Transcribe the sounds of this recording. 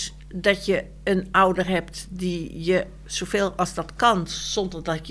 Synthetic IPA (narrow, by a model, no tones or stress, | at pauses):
dɔtjə | ənawdərɦɛp̚tdijə | sofeːlˠɔlˠzdɔtkɑnsɔndərdɔt